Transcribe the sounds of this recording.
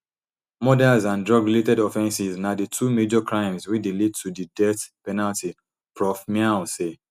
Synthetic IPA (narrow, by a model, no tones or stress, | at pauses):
mɔdɛlzãndɹɔɡletɛdɔfɛ̃nsiznaditʰumed͡ʒɔkɹãɪ̃mzwidilid̚tʰudidɛtpɛnalti | pʰɹɔfmialse